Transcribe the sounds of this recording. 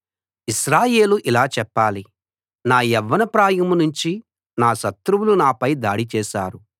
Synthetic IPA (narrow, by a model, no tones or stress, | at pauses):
iʃɾaːje̞ːluʔilaːt͡ʃɛpːaːli | naːjɛʋːɐnɐpɾaːjɐmunuɲt͡ʃi | naːʃɐt̪ɾuwulunaːpɐjd̪aːɽit͡ʃɛːʃa̰ːɾu